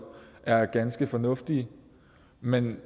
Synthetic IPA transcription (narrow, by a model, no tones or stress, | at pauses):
ʔæɐɡ̥ænsɡ̥əfɒ̽nɔ̽fd̥iə | men